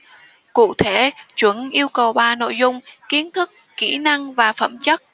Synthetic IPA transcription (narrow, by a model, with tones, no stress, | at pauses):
kṵ˧˨t̪ʰe˧˩t͡ɕwə˧˩nʔi˧əwkə˨˩wɓaː˨˩no̰˧˨jzʊ˧˨ŋ͡mki˨˦ənt̪ʰɨ˦˥kːḭ˧˩na˧ŋvaː˨˩fə̰˧˩mt͡ɕə˦˥t̚